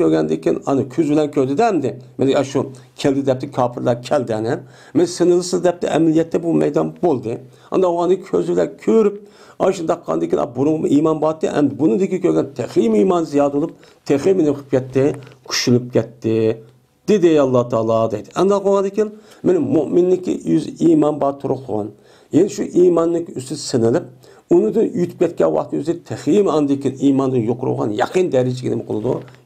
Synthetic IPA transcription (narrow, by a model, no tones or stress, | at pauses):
øɾɡʲɛnd̪ɪkʲʰinɑ̰nɨkʲʰyzbɪlɛnkʲʰøɾd̪ɪd̪ɛɛmd̪ɪmenɪɑʃu | kʲʰɛld̪ɪd̪ɛp̚t̪ʰɪkʲʰɑːpʰɨɾlˠɑkʲʰɛld̪ɪɛnɪ | menɪsɨnɨlˠɨsɨzd̪ɛp̚t̪ʰɪ̰ʔɛ̰mlijɛt̪ʰːɛbumɛ̰jd̪ɑnbolˠd̪ɨ | ɑ̰nd̪ɑoɑnɨkʲʰø̰zbɪlɛnkʲʰøɾyp̚ | ɑʃunɨd̪ɑqːɑ̰nd̪ɪkʰʲinɑ̰buɾuʁmʔiːmɑnbɑt̪ːɨ̰ɛ̰md̪ɪbunud̪ɪkʲikʲʰøɾɡʲɛnt̪ʰeχimiːmɑːnzijɑːd̪olˠup̚ | t̪ʰeχimenɪχʰɨ̥p̚kʲɛt̪ːɪkʲʰy̥ʃylyp̚kʲʰɛt̪ʰːɪ | d̪̥ɪd̪ɪɑlˠːɑt̪ʰɑːlˠɑd̪ɛjd̪ɪɛnd̪ɑqʰoɑnd̪ɪkʲin | menɪmmuʔmɪnːɪkʲḭjyzʔimɑnbɑt̪ʰuɾʊqʰʊ̰n | jɛnɛʃuʔimɑnːɪkʲyst̪ynsɪnɪlɪp̚ | unɨd̪ɨnjyt̪ʰy̥p̚kʲɛt̪̚kʲɛ̰nwɑ̰χt̪ʰy̰zd̪ɪt̪ʰɛχimɑnɨd̪ɪkʲiniːmɑnd̪ɨnjoqʊɾṵʁɑ̰njɑ̰qʰənd̪ɛɾɪd͡ʒiɡʲinɪmɨqʰolˠɨd̪ṵ